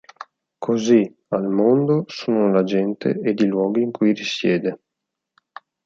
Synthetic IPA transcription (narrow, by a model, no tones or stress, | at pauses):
kʰozi | almond̪osuːnolad͡ʒɛnt̪ʰḛed̪ilwɔːɡiːŋkujrisjɛːd̪e